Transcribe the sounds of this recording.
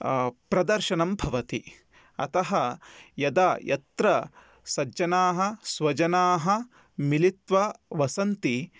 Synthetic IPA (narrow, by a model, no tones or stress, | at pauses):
pɾɐd̪ɐɾʃɐnɐmbʱɐʋɐt̪i | ɐ̰t̪ɐɦɐjɐd̪ɐjʔɐ̰t̪ɾɐ | sɐd͡ʒɐnaːɦɐ̆sʋɐd͡ʒɐnaːɦɐ | milit̪ʋɐʋɐsɐnt̪i